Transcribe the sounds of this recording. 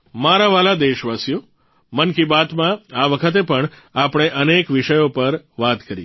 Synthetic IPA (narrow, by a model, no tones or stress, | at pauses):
maɾaʋalad̪eʃʋasjo | mənkibat̪mãaʋəkʰət̪̬epəɳ | apɽ̃eʔənekʋiʃəjopəɾ | ʋat̪kəɾḭ